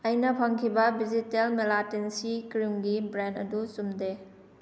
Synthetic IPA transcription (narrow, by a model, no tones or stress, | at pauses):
ɐjnɐpʰɐŋkʰibɐbizitelmelatinsikɾimɡibɾendɐ̰dusumde